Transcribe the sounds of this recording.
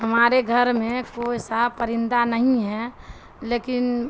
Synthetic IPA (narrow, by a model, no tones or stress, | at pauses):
ɦəmaːɾeɡʱəɾmẽkoːisapəɾɪ̃nd̪anəɦĩɦɛ | leːkɪn